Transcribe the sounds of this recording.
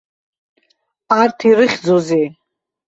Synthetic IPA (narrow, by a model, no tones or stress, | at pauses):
art̪ʰiɾɨχʲd͡zozi